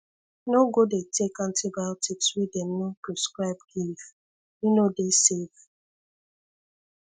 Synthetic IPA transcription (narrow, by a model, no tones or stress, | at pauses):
noɡodetekãntibaltʰipswidɛmnɔpɹɔskɹaɪbɡiv | jinodesev